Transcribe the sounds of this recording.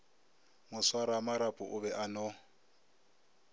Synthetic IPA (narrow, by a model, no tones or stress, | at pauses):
mʊswaɾamaɾapʼʊʔʊβɛʔanɔ